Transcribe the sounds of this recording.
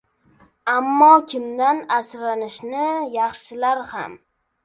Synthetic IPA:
amːɒkʲʰɪmd̪anasɾanɪʃnɪjɑχʃɪlaɾha̰m

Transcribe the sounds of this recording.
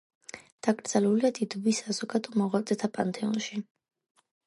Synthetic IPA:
d̪̥aɡɾd̪zaluliad̪id̪ɔbisazɔkʼad̪ʼɔmɔʁwat̪ʼɛt̪ʰapʼant̪ʰɛɔ̰nʃi

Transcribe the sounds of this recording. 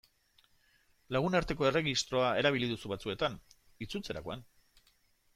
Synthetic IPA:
laɣ̞unaɾt̪e̞ko̞e̞re̞ɣist̪ɾo̞ae̞ɾaβ̞iliðusuβat͡sue̞t̪an | it͡sut͡se̞ɾa̰ko̞an

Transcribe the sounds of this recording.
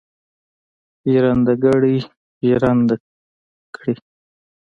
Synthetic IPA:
ʒɾand̪aɡaɽi | ʒɾand̪a | kʰɽi

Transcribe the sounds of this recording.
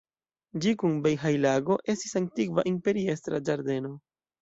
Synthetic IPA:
d͡ʒikunbejɦajlaɡo̞ʔe̞stisaŋ̚tikvaʔimpe̞ɾie̞stɾad͡ʒaɾde̞no̞

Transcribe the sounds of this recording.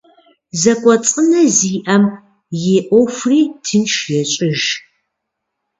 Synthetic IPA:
zɐkʷʼɔt͡sʼənɐziːʔɐm | jeʔʷofriːtʰɨnʃjɛɕʼɪʒ

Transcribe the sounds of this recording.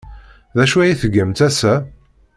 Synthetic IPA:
ðæʃuæjiθəɡːəmt̪æsæ

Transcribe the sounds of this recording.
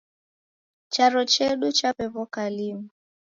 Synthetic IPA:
t͡ʃaɾɔt͡ʃɛɗut͡ʃapɛβɔkalimu

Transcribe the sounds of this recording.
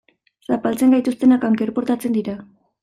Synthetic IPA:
sapalt͡se̞ŋɡajt̪ust̪e̞nakaŋkeɾpo̞ɾt̪at͡se̞nd̪iɾa

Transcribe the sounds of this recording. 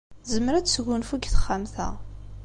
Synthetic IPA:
zəmɾasɡʷʊnfuɡʲθχamθɐ̰ʁ

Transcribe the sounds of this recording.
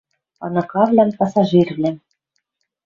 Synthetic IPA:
ɑ̰nɤ̆kɑvlʲæmpɑsɑʒirvlʲæ

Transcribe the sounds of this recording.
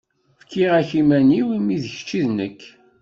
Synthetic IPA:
fkːiʁæçimæniwimiðç̥t͡ʃːiðnəkː

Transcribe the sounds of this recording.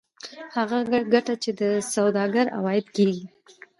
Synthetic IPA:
haɣaɡaɡaʈat͡ʃed̪əsawd̪ɑɡaɾa̰wɑjɪd̪keɡi

